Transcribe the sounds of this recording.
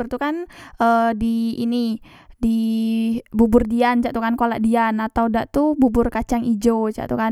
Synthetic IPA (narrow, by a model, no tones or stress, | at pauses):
rt̪ukanədiːnidi | bubʊrdiant͡ʃaʔt̪ukankolaʔdianat̪awdaʔt̪ububʊrkat͡ʃaŋid͡ʒot͡ʃa̰ʔt̪uka